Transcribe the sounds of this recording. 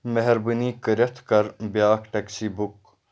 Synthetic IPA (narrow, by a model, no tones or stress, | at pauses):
meɦeɾbəniːkəɾʲɐt̪ʰkɐɾbjaːkʈɐksiːbuk